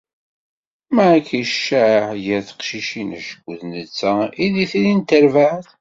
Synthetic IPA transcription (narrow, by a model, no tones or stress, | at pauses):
mæʕkːiʃʃæʕjəɾθə̥qʃiʃinæ̰ʃə̥ɡʷːðnət͡sːæiðiθilint̪əɾvaʕθ